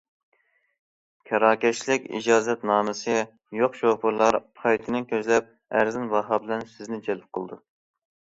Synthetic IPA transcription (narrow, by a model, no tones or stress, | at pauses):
kʲʰɑɾɑːkʲɛt͡ʃlɪkʲḭd͡ʒɑːzɛt̪nɑːmɨsɨ | joqʃopʰʊɾlˠɑɾpʰɑjt̪ʰɨnɨkʲøzlɛp̚ | æɾzɪnvɑɦɑbɪlɛnsɪznɪd͡ʒɛlɪp̚qʰəlˠd̪u